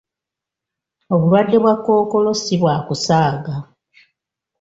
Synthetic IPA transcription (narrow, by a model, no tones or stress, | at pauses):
o̞βulwadːe̞βwakːo̞ːko̞lo̞siβwaːkusaːɡa